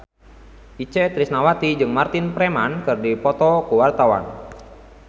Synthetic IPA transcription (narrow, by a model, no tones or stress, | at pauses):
ʔit͡ʃɛt̪ɾisnawat̪id͡ʒɨŋmart̪inpɾɛmankɨrdipɔt̪ɔkuwart̪awa̰n